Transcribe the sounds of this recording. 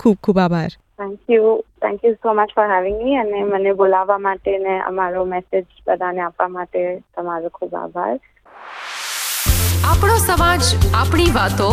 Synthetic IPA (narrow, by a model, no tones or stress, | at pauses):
kʰuːb̚kʰuːbabʱaɾ | t̪ʰɛ̃ŋkjut̪ʰɛ̰̃ŋkjusoːmət͡ʃfɔɾɦɛʋɪ̃ŋɡmiənemənebolaʋamaʈeneʔə̰maɾomɛsɪd͡ʒbəd̪ʱaneapʋamaʈet̪əmaɾokʰuːba̰ːbʱa̰ɾ | apɽosəmad͡ʒapɳ̃iʋat̪õ